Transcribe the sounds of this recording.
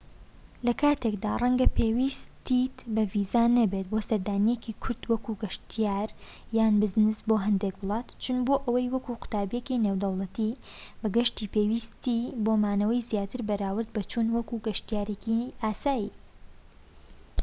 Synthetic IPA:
lɐkʰaːt̪ʰekd̪aːrˤɐŋɡɐpʰeːwist̪it̪bɐviːzanɐbet̪̚boːsɐɾd̪aːnijekikʰʊɾd̪wɐkuɡɐʃt̪ʰijaːɾ | jaːnbɨznɨsboːɦɐnd̪eːkwʊlˠɑːt̪t͡ʃʰʊnboːʔɐwɐjwɐkuqʊ̥t̪aːbjekineːwd̪ɐwlˠɐt̪i | bɐɡɐʃt̪iːpeːwist̪ibomaːnɐwɐjzijaːt̪ɨɾbɐɾaːwɨɾd̪̚bɐt͡ʃuːnwɐkuɡɐʃt̪ijaːɾekiʔaːsaːjiː

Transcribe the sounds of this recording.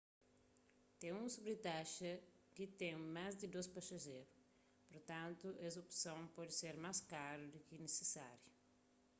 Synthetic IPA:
t̪ẽŋũsubɾɪt̪aʃɐ | kit̪ẽŋmazd̪ɪd̪ospasɐʒeɾʊ | poɾt̪ɐ̃nt̪uʔɛsopsɐ̃w̃pɔd̪ɪseɾmaskaɾud̪ukɪnesesa̰ɾjʊ

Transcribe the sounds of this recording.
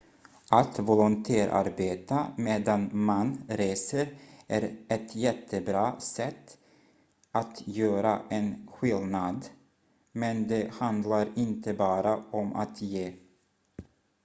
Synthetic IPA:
ʔat̪vɔlʊnt̪ʰæːɾʔa̰ɾbeːt̪ameːd̪anmanɾeːsəɾæɾʔɛt̪jɛt̪ʰːəbɾɑːsɛt̪ː | ʔat̪jøːɾaʔɛnɧɪlnad̪ | mɛnd̪ɛhand̪laɾɪnt̪əbɑːɾaɔmʔa̰t̪jeː

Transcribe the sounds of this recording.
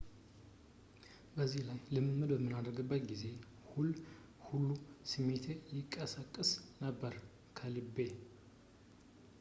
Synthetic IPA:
bəzːihlajlɨmmːɨd̪bəmːɨnad̪əɾɡɨbːət̪ɡize̞ | hul | hulːusɨmet̪ʰejɪkʼːəsakʼːɨsnəbːəɾ | kʰəlɨbːe̞

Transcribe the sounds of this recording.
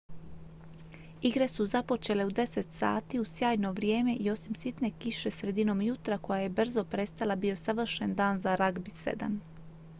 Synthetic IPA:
iɡɾe̞suzapo̞t͡ʃe̞le̞ud̪e̞se̞t̪sa̰ːt̪iusjaːjno̞ʋɾje̞ːme̞ʔio̞simsit̪ne̞kiʃe̞sɾe̞d̪ino̞mjut̪ɾako̞jaje̞br̩zo̞pɾe̞st̪alˠabio̞saʋr̩ʃe̞nd̪aːnzaɾaɡbisḛd̪a̰n

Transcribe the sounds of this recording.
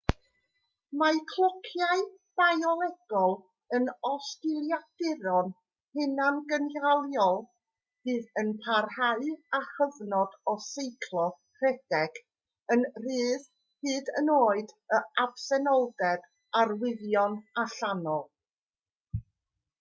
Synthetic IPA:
makʰlˠɔkʰjaɨ | b̥ajɔlˠɛɡ̥ɔlˠ | ənɔstɪlˠjad̥ɪɾɔn | hɪnanɡənjalˠjɔlˠ | hɨːðənpʰarhaɨaχəvnɔd̥ɔsejkʰlˠɔkʰrɛd̥ɛɡ̥ | ənr̥ɨːð | hɨːdənoːɨdəab̥sɛnɔlˠdɛd | arwɪðjɔnaɬanɔlˠ

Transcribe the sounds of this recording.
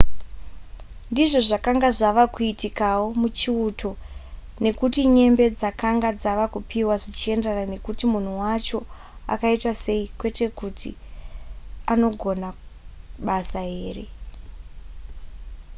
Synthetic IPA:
ndiʐo̞ʐakaŋɡaʐaʋakuitikawo̞mut͡ʃiutʰo̞ | ne̞kutiɲe̞mbe̞d͡zakaŋɡad͡zaʋakupʰiwaʐit͡ʃie̞ndarane̞kutimun̤uwat͡ʃo̞ | a̰kaitase̞ikwe̞te̞kutʰi | ano̞ɡʱo̞na | ɓasae̞ːre̞

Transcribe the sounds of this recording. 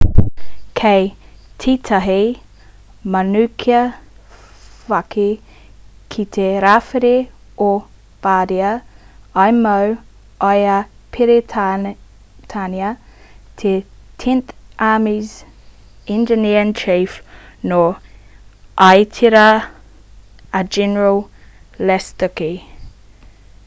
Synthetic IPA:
kʰejtʰit̪ʰɐɦi | mɐnʉkʰiɐ | fɐkʰi | kʰit̪ʰeɾaːfiɾe | o | b̥aːdiɐajmɐw | ajɐpʰiɾe | tʰanjət̪ʰetʰɛnθʔaːmiz | ɛnd͡ʒəniəənt͡ʃʰiːfno | ʔaɪtʰiɾə | əd͡ʒɛnəɹəlˠ | lɛst̪əki

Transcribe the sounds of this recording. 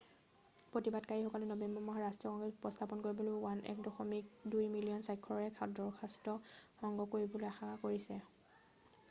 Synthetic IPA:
pɹotibadkaɹixɔkɔlɛnɔbɛmbɔmɔɦaɹastiɔkɔŋɡɛsu̥pɔstʰapɔnkoɹibɔlowanʔɛ̰k̚dɔxɔmik̚dujmilijɔnsajkʰːɔɔɹɛkʰadɔɹkʰastɔxɔŋɡɔkoɹibɔlojaxakoɹisɛ

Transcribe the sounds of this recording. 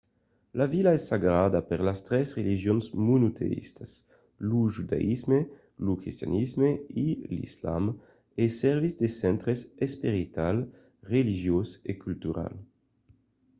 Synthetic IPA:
lavilaɛsːaɡɾad̪apeʁlast̪ɾɛsʁeliʒjonzmunut̪ʰḛḭst̪as | luʒud̪a̰ʔizme | lukɾist̪ja̰nizmeilḭsla̰m | esɛʁvizd̪esɛnt̪ɾesespiɾit̪al | ʁeliʒjosekylt̪uɾa̰l

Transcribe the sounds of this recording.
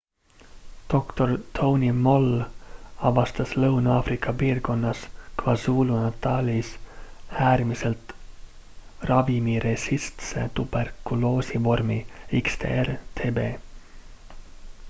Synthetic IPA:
d̪̥o̞kt̪o̞rt̪ʰownimo̞l | ɑvɑst̪ɑslɤwnɑːfɾikːˑɑpiːrko̞nːɑskvɑsuːlunɑt̪ːɑːlishæːrmiselt̪ | rɑvimiɾesist̪sḛt̪ub̥erkuloːsivo̞rmiikst̪ʰḛːert̪ʰeːbeː

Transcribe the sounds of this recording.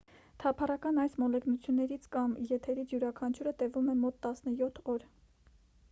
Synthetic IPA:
t̪ʰɑpʰɑrɑkɑnɑjsmɔlɛknut͡sʰjunːɛɾit͡sʰkɑmjɛt̪ʰɛɾit͡sʰjuɾɑkʰɑnt͡ʃʰuɾət̪ɛvumɛmɔt̪ːɑsnəjɔt̪ʰɔɾ

